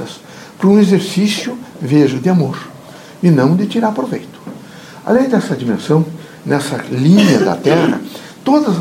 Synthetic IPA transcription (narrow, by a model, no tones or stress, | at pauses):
ɐs | pɾɐũezeɾsisjʊveʒʊd̪ɪamoɾ | ɪnɐ̃w̃d̪ɪt͡ʃ̪iɾaɾpɾovejt̪ʊ̥ | a̰lẽj̃d̪ɛsɐd͡ʒimẽsɐ̃w̃ | nɛsɐlĩɲɐd̪ɐ̰t̪ɛʁɐ̰ | t̪od̪ɐz